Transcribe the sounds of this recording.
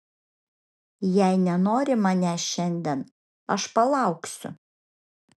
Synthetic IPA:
jɛɪnʲɛnoːɾʲɪmɐnʲɛʃʲɛnʲd̪ʲɛn | ɐʃpɐlˠɑˑʊksʲʊ̰

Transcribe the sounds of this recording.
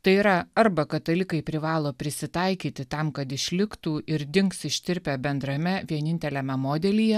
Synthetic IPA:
t̪ɐɪiːɾɐɐɾbɐkɐt̪ɐlʲɪkɐɪpʲɾʲɪʋɑːlˠoːpʲɾʲɪsʲɪt̪ɐɪkʲiːt̪ʲɪt̪ɐmkɐt̪ɪʃʲlʲɪkt̪uːʔɪɾd̪ʲɪŋksɪʃʲt̪ʲɪɾʲpʲæbʲɛnd̪ɾɐmʲɛʋʲiɛnʲɪnʲt̪ʲɛlʲɛmʲɛmoːd̪ʲɛlʲiːjɛ

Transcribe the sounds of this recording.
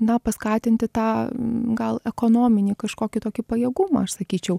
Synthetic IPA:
nɐpɐskɑːt̪ʲɪnʲt̪ʲɪt̪ɑːɡɐlˠɛkoːnoːmʲɪnʲiːkɐʃkoːkʲɪt̪oːkʲipɐjeːɡumɐ̰ːɐʃsɐkʲiːt͡ʃʲɛʊ

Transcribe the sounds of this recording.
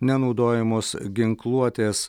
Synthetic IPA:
nʲɛnɒʊd̪oːjɛmoːsɡʲɪŋklˠuɔt̪ʲeːs

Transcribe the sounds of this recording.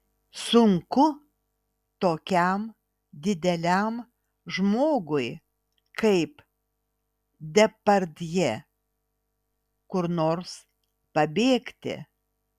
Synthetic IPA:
sʊŋkʊ | t̪oːkʲɛm | d̪ʲɪd̪ʲɛlʲæm | ʒmoːɡʊɪ | kɐɪp | d̪ʲɛpɐɾʲd̪ʲjɛ | kʊɾnoːɾs | pɐbʲeːkt̪ʲɪ̰

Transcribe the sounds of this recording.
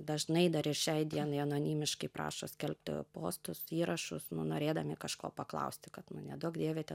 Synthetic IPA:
d̪ɐʒnɐɪd̪ɐɾɪrʃʲɛɪd̪ʲiɛnɐɪɐnoːnʲiːmʲɪʃkɐɪpɾɑ̰ːʃoːsʲkʲɛlʲp̚ʲt̪po̰ːst̪ʊsiːɾɐʃʊsnʊnoːɾʲeːd̪ɐmʲɪkɐʃkoːpɐklˠɐ̰ʊsʲt̪ʲɪkɐt̪nʊnʲɛd̪uɔkd̪ʲeːʋʲeːt̪ʲɛ

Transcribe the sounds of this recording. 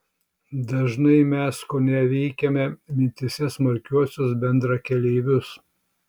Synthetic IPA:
d̪ɐʒnɐɪmʲɛskoːnʲɛʋʲɛɪkʲɛmʲɛmʲɪnʲt̪ʲɪsʲɛsmɐɾʲkʲuɔsʲʊsbʲɛnd̪ɾɐkʲɛlʲɛɪʋʲʊs

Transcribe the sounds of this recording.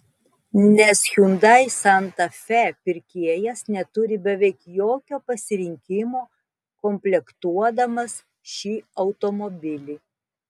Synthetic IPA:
nʲɛsxʲund̪ɐɪsɐnt̪ɐfʲɛpʲɪɾʲkʲiɛjɛsnʲɛt̪ʊɾʲɪbʲɛʋʲɛɪkjoːkʲoːpɐsʲɪɾʲɪŋʲkʲɪmoː | kɔmʲpʲlʲɛkt̪uɔd̪ɐmɐs | ʃʲiːɐʊt̪omɔbʲɪlʲiː

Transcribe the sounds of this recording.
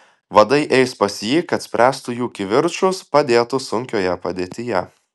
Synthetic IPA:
ʋɐd̪ɐɪʔɛɪspɐsʲjiːkɐt̪ʲsʲpʲɾʲæːst̪ʊjuːkʲɪʋʲɪɾt͡ʃʊspɐd̪ʲeːt̪ʊsʊŋʲkʲoːjɛpɐd̪ʲeːt̪ʲɪjɛ

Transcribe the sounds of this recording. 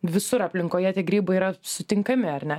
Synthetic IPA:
ʋʲɪsʊɾɐpʲlʲɪŋkoːjɛt̪ʲiɛɡɾʲiːbɐiɾɐsʊt̪ʲɪŋkɐmʲɪɐɾnʲɛ

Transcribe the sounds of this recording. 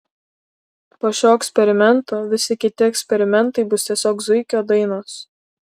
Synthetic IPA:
poːʃʲoːɛksʲpʲɛɾʲɪmʲɛnˑt̪oːʋʲɪsʲɪkʲɪt̪ʲɪɛksʲpʲɛɾʲɪmʲɛnt̪ɐɪbʊst̪ʲiɛsʲoːkzʊɪkʲoːd̪ɐɪnoːs

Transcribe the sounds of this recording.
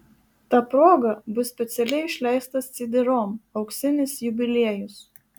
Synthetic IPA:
t̪ɑːpɾoːɡɐbʊsːʲpʲɛt̪sʲɛlʲɛɪɪʃʲlʲɛɪst̪ɐst̪sʲɪd̪ʲɪɾoːmɐʊksʲɪnʲɪsjʊbʲɪlʲiɛjʊs

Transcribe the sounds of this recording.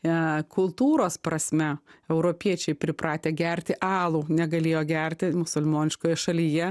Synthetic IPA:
kʊlˠt̪uːɾoːspɾɐsʲmʲɛɛʊɾoːpʲiɛt͡ʃʲɛɪpʲɾʲɪpɾɑːt̪ʲeːɡʲɛɾʲt̪ʲɪʔɑːlˠuːnʲɛɡɐlʲeːjoːɡʲɛɾʲt̪ʲɪmʊsʊlʲmoːnʲɪʃkoːjɛʃɐlʲiːjɛ

